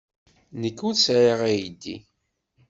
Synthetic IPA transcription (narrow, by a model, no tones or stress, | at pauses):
nəkːuðsʕiʁæjd̪ːḭ